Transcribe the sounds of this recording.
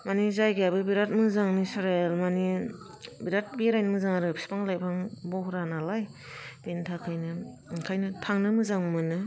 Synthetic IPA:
manizajɡjabɯbiɾat̚mɯzaŋnisaɾelmani | biɾat̚biɾajnmɯzaŋaɾɯpspʰaŋlajpʰaŋbɔhɾanalaj | b̥entʰakʰajnɯkʰajnɯtʰaŋnɯmɯzaŋmɯnɯ

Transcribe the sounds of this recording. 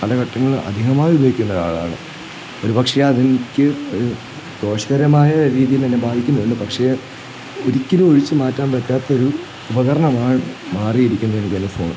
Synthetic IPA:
pɐlɐkɐʈːɐŋːɐɭɐ̰d̪ʱiɦɐmaːjʋibʱɐikʲːunːɐða̰ːɭa̰ːɳɨ̰ | o̞ɾupɐkʂejɐðinikʲːɨoɾu | ɡo̞ːʂɐɣɐɾɐmaːjɐɾiːðijilt̪ɐnːe̞baːd̪ʱikʲːunːɐʋeɳːɨpɐkʂe̞ | oɾikʲːiluoɻit͡ɕːɨmaːtːaːnbɐtːaːt̪ːɐo̞ɾuː | bɐkɐɾɐɳɐmaːɳɨmaːrijiɾikʲːunːɐðenikʲːɐnːɨfo̞ːɳɨ

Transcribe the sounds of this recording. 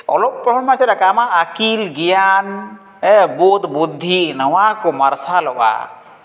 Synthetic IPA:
ɔ̰lɔp̚pːɾɔbɔmaɾseɾakaamaʔːkilɡijan | ɛbɔd̪bud̪ʱːinəwakɔmaɾsalɔwa̰

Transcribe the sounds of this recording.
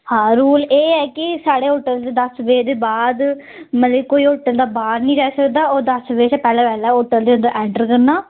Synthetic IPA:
hãːɾuːleːɛːkisaːɽeːɦoːʈːəld̪ed̪ɐsʋeːd̪eːbaːd̪ | mɐt̪lɐːkoːioːʈːəld̪aːbaːɾnĩːɾɛːsəkd̪aːoːd̪ɐsʋeːsɛpɛːlɛːʋɛːlɛːoːʈːəld̪eɐnd̪əɾʔɛːɳʈəɾkɐɾnːãː

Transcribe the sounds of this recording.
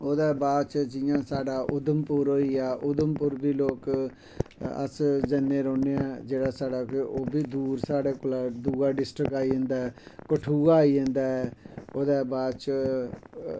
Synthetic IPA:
oːd̪aːbaːd̪t͡ʃd͡ʒɪjãːsaːɖaːʔʊd̪əmpʊɾoːiːaːʔʊd̪əmpʊɾbʱiːloːk | ə̰sd͡ʒənːẽːɾɔːneːaːd͡ʒeːɽaːsaːɖaːkɪoːbiːd̪uːɾsaːɽeːkolaːd̪uːɡaːɖɪsʈɾəkaːiːẽːnd̪aːɦɛːkəʈʰuːaːiːɦẽnd̪aːɦɛːoːd̪aːbaːd̪t͡ʃ

